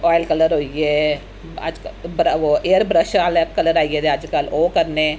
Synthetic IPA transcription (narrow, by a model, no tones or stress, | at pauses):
ɔːjlkələɾɦoieː | ə̰d͡ʒkbɾəoeːəɾbɾəʃaːlɛp̚kələɾaːieːd̪eəd͡ʒkəloːkəɾne